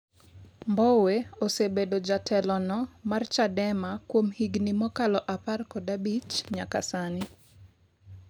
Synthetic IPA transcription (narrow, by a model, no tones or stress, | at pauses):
mbɔweosebedod͡ʒatʰɛlɔnɔmart͡ʃadɛmakwomhiɡnimɔkalɔʔaparkɔdabit͡ʃɲaka̰sanɪ